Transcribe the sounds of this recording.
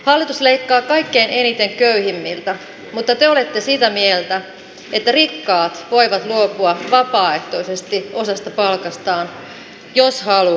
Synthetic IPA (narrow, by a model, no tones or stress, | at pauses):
hɑlːit̪usleikːɑːkɑikːeinenit̪eŋkøyhimːilt̪æ | mut̪ːɑt̪eolet̪ːesit̪æmielt̪æ | et̪ːærikːɑːt̪ʋo̞iʋɑt̪luopuɑʋɑpɑːeht̪oisest̪io̞sɑst̪ɑpɑlkɑst̪ɑːn | joshɑlu